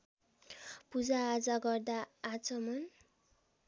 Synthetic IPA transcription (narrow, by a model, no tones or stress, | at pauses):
pud͡zaːd͡zʌɡʌrd̪aːd͡zʌmʌn